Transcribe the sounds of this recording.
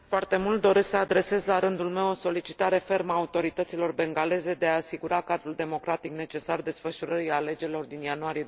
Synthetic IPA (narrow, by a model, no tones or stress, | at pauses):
foart̪e̞mult̪̚d̪o̞ɾesəad̪ɾe̞se̞zʲlaɾɨnd̪ulme̞wo̞so̞lit͡ʃi̥t̪aɾe̞fe̞rmaːut̪o̞ɾit̪ət̪silo̞rbe̞ŋɡale̞ze̞d̪e̞aːsiɡuɾakad̪ɾuld̪e̞mo̞kɾat̪ikne̞t͡ʃe̞sard̪e̞sfəʃuɾəɾiale̞d͡ʒe̞ɾilo̞rd̪injanuaɾije